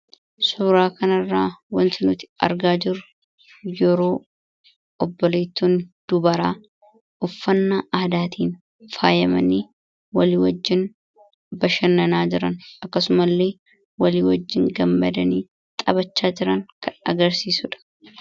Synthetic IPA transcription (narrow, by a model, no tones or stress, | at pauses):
suːɾaːkɐnɐrːaːwɐnt̪ɪnʊt̪ɪ̥ɐ̰ɾɡaːd͡ʒɪɾʊ | jɛɾo̞ː | ɔbːɔleːt̪ːuːnd̪̥ʊbɐɾaː | ʔʊfːɐnːaːʔaːd̪aːt̪ʰiːn | faːjɐmɐ̰ni | wɐliːwɐd͡ʒːɪn | bɐʃɐnːɐnaːd͡ʒɪɾɐnɐkːɐsʊmɐlːe̞ː | wɐliːwɐd͡ʒːɪŋɡɐmːɐd̪ɐniː | t̪ʼɐbɐt͡ʃːaːd͡ʒɪɾɐŋkʰɐnɐ̰ɡɐɾsiːsʊᶑɐ̥